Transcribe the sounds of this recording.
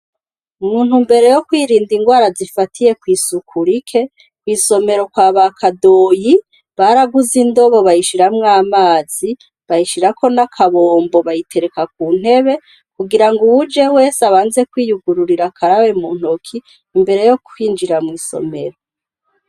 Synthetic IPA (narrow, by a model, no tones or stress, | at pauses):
umuːn̥humbe̞ɾe̞jo̞kwiːɾiːndiŋɡwaːɾazifatʰije̞kwiːsukʰuɾikʰe̞ | kwiːso̞me̞ɾo̞kwaːβakʰado̞ji | βaɾaɡuzindo̞βo̞βajiʃiɾamŋaːmaːz̥i | βajiʃiɾako̞nakʰaβo̞ːmbo̞βajitʰe̞ɾekak̚uːn̥he̞βe̞ | kuɡiɾaŋɡuβud͡ʒe̞we̞ːsaβaːnze̞kwiːjuɡuɾuɾiɾakʰaɾawe̞muːn̥hokʰiː | mbe̞ɾe̞jo̞kwiːnd͡ʒiɾamŋiːso̞̰me̞ɾo̞